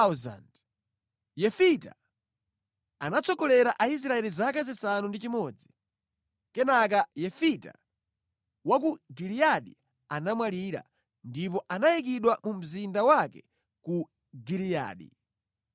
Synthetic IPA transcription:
za̰nd | jɛfita̰ | anat͡sɔkɔlɛɾaʔais̬ɾaɛlizakazisanundit͡ʃimɔd͡zi | kɛnak̬ajɛfita̰ | wak̬uɡilijaɗḭ | anamwaliɾa̰ | ndip̬ɔʔanajik̬iɗwamum̩zindawakɛ | ku | ɡilija̰ːɗḭ

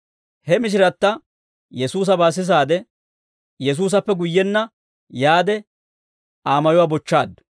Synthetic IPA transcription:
hɛmɪʃ̬ɪɾɐt̪ːɐ | jɛsuːs̬ɐbaːs̬ɪs̬aːd̪ɛ | jɛs̬uːs̬ɐpːɛɡʊjːɛnːɐ | jaːd̪ɛ | aːmɐjʊwaːbɔt͡ʃːaːd̪

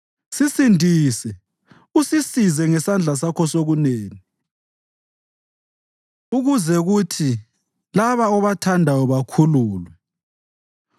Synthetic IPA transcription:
sisindʱiːsɛ | usisizɛŋɛsand͡ɮʱasakʰɔsoɣuneːni | uɣuzɛɣutʰi | laβaɔβatʰandʱajɔβakʰuluːlwɛ

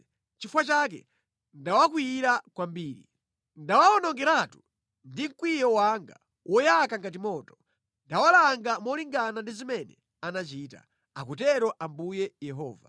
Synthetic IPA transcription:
t͡ʃifwat͡ʃak̬ɛ̰ | ndawakwiɾakwambiːɾḭ | ndawaɔnɔŋɡɛɾatu̥ | ndiŋ̩kwijɔwaŋɡa̰ | wʔɔjakaŋɡat̬imɔːtɔ̥ | ndawalaŋɡamɔliŋɡanandizimɛnɛ̰ | anat͡ʃiːta̰ | akutɛɾɔʔambujɛjɛɦɔ̰ːva̰

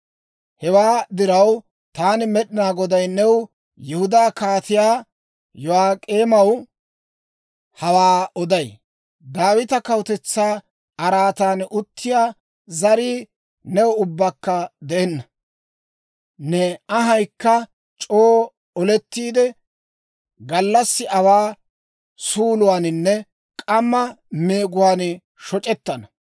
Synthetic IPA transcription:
hɛwaːd̪ɪɾɐw | t̪aːnɪmɛɗɪnaːɡɔd̪ɐjnɛw | jɛhʊd̪aːkaːt̪ɪjaː | jɔaːkʼeːmɐw | hɐwaːɔd̪ɐj | d̪aːwɪt̪ɐkɐwt̪ɛt͡sːaː | ɐɾaːt̪aːnʊt̪ːɪjaː | zɐɾiː | nɛwɔʊbːakːɐd̪ɛɛnːɐ | nɛɐɦɐjkːɐ | t͡ʃʼoː | ɔlɛt̪ːiːd̪ɛ | ɡɐlːɐsːɪɐwaː | suːlʊwaːnɪnːɛ | kʼɐmːɐme̞ːɡʊwaːn | ʃɔt͡ʃʼɛt̪ːɐnɐ

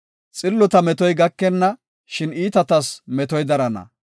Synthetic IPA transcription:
t͡sʼɪlːɔt̪ɐmɛt̪ɔjɡɐkːɛnːɐ | ʃɪniːt̪ɐt̪ɐsmɛt̪ɔjd̪ɐɾɐnɐ̰

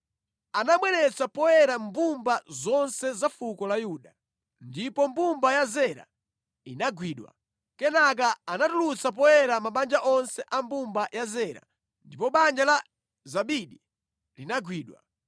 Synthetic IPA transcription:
anamwɛnɛt͡sapɔjɛɾambumbazɔnsɛzafukɔlajuɗa | ndipɔmbumbajazɛɾa̰ | inaɡwiɗwa̰ | kɛnak̬aanatulut͡sap̬ɔjɛɾamaɓand͡ʒaʔɔnsɛʔambumbajazɛɾa̰ | ndipɔɓand͡ʒala | zaɓiɗi | linaɡwiːɗwa̰

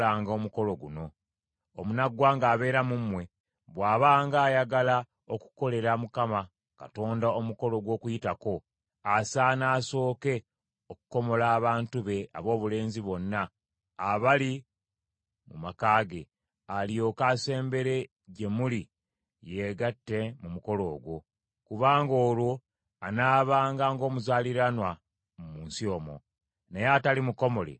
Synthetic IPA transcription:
aːŋɡao̞ːmuko̞lo̞ɡuno̞ | omunaɡwaːŋɡaːβe̞ːɾamumwe̞ | βwaːβaːŋɡaːjaɡala | oku̥ko̞le̞ɾamukama | ka̰to̞ːndaomuko̞lo̞ɡwo̞ːkujitako̞ | asaːnaːso̞ːke̞ | oku̥ko̞mo̞laːβaːntuβe̞a̰βo̞ːβule̞ːnziβo̞nːaː | βali | mumakaːɡe̞ | aljo̞ːkase̞ːmbe̞ɾe̞ | ɟe̞muli | je̞ɡatːe̞mumuko̞lo̞ːɡwo̞ | kuβaːŋɡo̞ːlwo̞ | anaːβaːŋɡaːŋɡo̞ːmuzaːliɾanwa | mumuːnsio̞ːmo̞̰ | nejaːtalimuko̞mo̞le̞̰

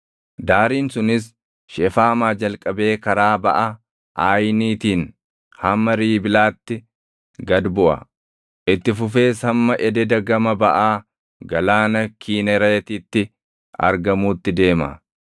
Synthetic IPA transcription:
d̪aːɾiːnsʊnɪs̬ | ʃɛfaːmaːd͡ʒɐlkʼɐbe̞ːkɐɾaːbɐʔɐ | ʔaːjniːt̪iːn | hɐmːɐɾiːbɪlaːt̪ːɪ | ɡɐd̪bʊʔɐ̰ | ʔɪt̪ːɪfʊfe̞ːsɐmːɐʔɛd̪ɛd̪ɐɡɐmɐbɐʔaː | ɡɐlaːnɐkʰiːnɛɾɐjt̪it̪ːɪ | ɐ̰ɾɡɐmuːt̪ːɪd̪e̞ːmɐ̰

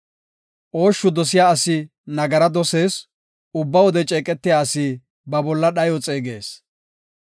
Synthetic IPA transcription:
ʔo̞ːʃːʊd̪ɔsɪjaːɐsɪ | nɐɡɐɾɐd̪ɔse̞ːs | ʊbːɐwɔd̪ɛt͡ʃʼeːkʼɛt̪ːɪjaːɐsi | bɐbɔlːɐɗɐjɔt͡sʼeːɡe̞ːs

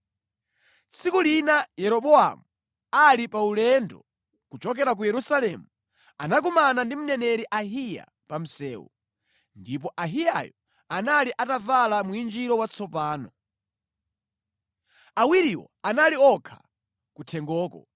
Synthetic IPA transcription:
t͡sikulinajɛɾɔɓɔa̰mu | alipaulɛndɔ̰ | kut͡ʃɔk̬ɛɾak̬ujɛɾusalɛmu | anak̬umanandim̩nɛnɛɾiʔaɦija̰ | pam̩sɛːwṵ | ndip̬ɔʔaɦija̰jɔ | analiʔatavalamuind͡ʒiɾɔwat͡sʰɔpaːnɔ | awiɾiwɔ̰analiɔkʰḁ | kutʰɛŋɡɔːkɔ̰

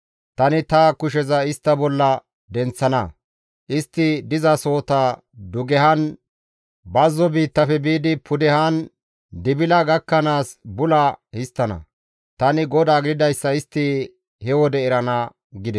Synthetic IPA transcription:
t̪ɐnɪt̪ɐkʊʃ̬ɛzɐɪst̪ːɐbɔlːɐ | d̪ɛnt͡sːɐnɐ | ʔɪst̪ːɪd̪ɪzɐso̞ːt̪ɐ | d̪ʊɡɛɦɐn | bɐzːɔbiːt̪ːɐfɛbiːd̪ɪpʊd̪ɛhɐn | d̪ɪbɪlɐɡɐkːɐnaːsbʊlɐhɪst̪ːɐnɐ̰ | t̪ɐnɪɡɔd̪aːɡd̪ɪd̪ɐjsːɐɪst̪ːɪ | hɛwɔd̪ɛɛɾɐnɐ | ɡɪd̪ɛ

